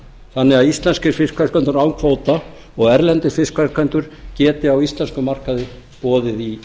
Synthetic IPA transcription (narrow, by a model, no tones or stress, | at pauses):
θanːɪɣaðist̪lɛnscɪɾ̥fɪskʰvaɾ̥kʰɛnt̪ʏɾawŋkʰvoːwt̪a | ɔɣɛɾlɛnt̪ɪ̥fɪskʰvḁkʰvɛnt̪ʏɾ̥cɛːt̪ɪawist̪lɛnskʏmar̥kaðɪ | pɔːðɪði